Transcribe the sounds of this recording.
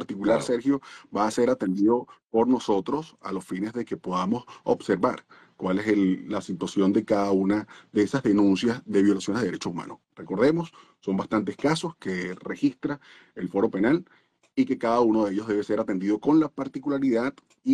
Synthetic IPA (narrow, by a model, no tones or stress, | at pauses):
aɾt̪ikulaɾseɾxjo̞baːse̞ɾat̪e̞nd̪iðo̞po̞ɾno̞so̞t̪ɾo̞sa̰lo̞sfine̞zðe̞ke̞poðamo̞so̰bse̞ɾβaɾ | kwale̞seːasit̪wasjo̞nd̪e̞kaðaunaðeesazðe̞nũnsjazðe̞βjo̞lasjoneeɾet͡ʃoumã̰nor̥e̞ko̞ɾðe̞mo̞sː | o̞mbast̪ant̪eskaso̞ske̞re̞xist̪ɾa | elfo̞ɾo̞pe̞nal | ike̞kaðaunoðeeʝo̞zðe̞βese̞ɾat̪e̞nd̪iðo̞ko̞nlapaɾt̪ikulaɾiðað | i